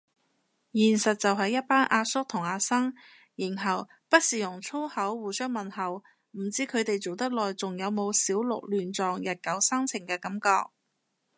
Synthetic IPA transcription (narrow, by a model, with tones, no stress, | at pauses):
jiː˨˩nsɐ˨t̚t͡sɐ˨wɦɐ˨˧jːɐ˥t̚paː˥nʔaː˧sʊ˥k̚t̪ʰʊ˨˩ŋaː˧sɐ˥ŋ | ji˨˩nɦɐ˨˩w | pɐ˥t̚siː˨jʊ˨˩ŋt͡sʰo˥whɐ˨˥wːuː˨˩sœː˥ŋmɐ˨nhɐ˨˩w | m̩˨˩t͡siː˥kʰɵ˨˧t̪e˨jt͡so˨wt̪ɐ˥k̚lɔː˨jt͡sʊ˨ŋjɐ˨˧wmo˨˧wsiː˨˥wlʊ̰˨k̚lyː˨nt͡sɔː˨ŋjɐ˨t̚kɐ˨˥wsɐ˥ŋt͡sʰɪ˨˩ŋkɛː˧kɐ˨˥mkɔː˧k̚